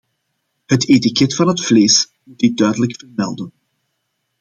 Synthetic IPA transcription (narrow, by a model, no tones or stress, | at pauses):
hətetikɛtfɑnɦətfleːs | mut̚idœɥdələkfərmɛ̰lˠdən